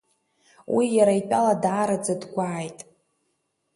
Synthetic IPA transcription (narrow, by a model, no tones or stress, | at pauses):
wijaɾaipʲʼaladaːɾad͡zadɡʷaːjtʼ